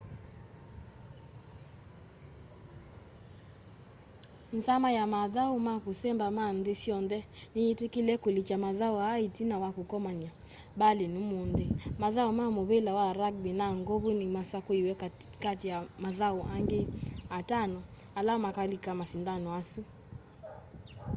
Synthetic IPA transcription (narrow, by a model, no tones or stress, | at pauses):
n̩samajamaðaumakusɛmbamanðesiɔndɛniitikilɛkulit͡ʃamaðauaːitinawakukɔmaɲa | balinumundemaðaumamoβelawaɾaɡ̚binaŋɡoβunimasakuiwɛkkatijamaðauaŋɡeatanɔ | alaɔmakalikamasindanɔasu